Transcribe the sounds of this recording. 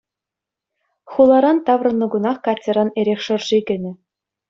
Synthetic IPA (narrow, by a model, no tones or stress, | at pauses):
χulˠɑɾɑnt̪ɑʋrɤ̆nːɤ̆ɡunɑχkɑtʲːĕɾɑneɾʲexʲʂɤ̆rʐiɡʲɘ̆nʲɘ̆